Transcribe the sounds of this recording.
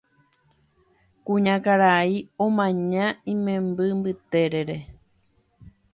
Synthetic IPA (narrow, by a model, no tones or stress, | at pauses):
kũɲãkaɾaiõmãɲãĩmẽmbɨmbɨt̪e̞ɾeɾe̞